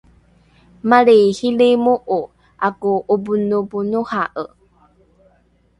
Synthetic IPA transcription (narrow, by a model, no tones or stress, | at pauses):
maɾehilemuʔu | ʔakuʔubunubunuhaʔə̰